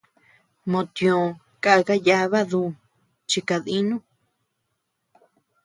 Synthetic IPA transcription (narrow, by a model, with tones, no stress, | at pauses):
mõ˧t̪j̃õ˨ | ka˦ʔa˧ka˦ja˧˦βa˦ðu˧˨ | t͡ʃi˧ka˧ði˦nũ˦